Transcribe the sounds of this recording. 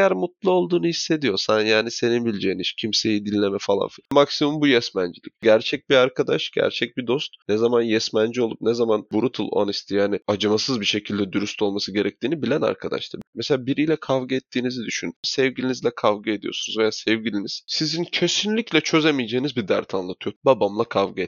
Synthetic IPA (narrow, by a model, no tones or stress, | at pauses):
jæɾmut̪lˠao̞lˠd̪uːnuhisːe̞d̪ijo̞sanjaːnise̞ninbilʲd͡ʒejiniʃcʰimse̞jid̪inːʲe̞mɛfalˠa̰nfimaksimumbujɛsmænd͡ʒilʲḭcɟæɾt͡ʃʰɛc̚biɾaɾkʰad̪a̰ʃɟ̥æ̰ɾt͡ʃʰɛc̚bid̪o̞st̪nɛzamanjɛsmænd͡ʒio̞lˠṵp̚nɛzamanbuɾut̪ʰɯlˠo̰anist̪ʰijaːnɪad͡ʒɯmasɯzbiʃe̞cʰilʲd̪ɛd̪yɾyst̪ʰo̞lˠmasɯɟe̞ɾɛc̚t̪ʰiːnibilʲæna̰ɾkʰad̪a̰ʃlˠɯ̰meseaːbiɾijlʲɛkʰavɡɯɛt̪ʰːiːnizid̪yʃynsɛvɟilʲinizlʲɛkʰavɡɯe̞d̪ijo̞sunuzvejasɛvɟilʲiniz̥sizincʰe̞sinlʲiclʲɛt͡ʃʰø̞zemijd͡ʒejinizbid̪æɾt̪ʰanlˠat̪ʰɯjo̞babamlˠakʰavɡɯet̪